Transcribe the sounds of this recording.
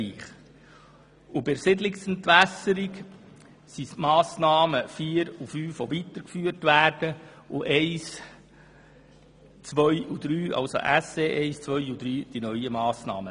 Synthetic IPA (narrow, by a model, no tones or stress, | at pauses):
iːχ | ʊbɪɾsɪdlɪksɛntʋæsəɾik | sismɑːsnɑːməfiːɾufyːfʋoʋit̪əɾkfyːərtʋæːrd̥ə | ʔʊʔɛɪs | t͡sʋœʏud̪ɾyːʔɑ̰lso̰ʔæseʔɛɪst͡sʋœʏud̪ɾyːd̥inœʏəmɑːsnɑ̰ːmə